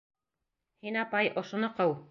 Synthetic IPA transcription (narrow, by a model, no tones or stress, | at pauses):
hinɑpɑjʔŏʃŏnɤqɤw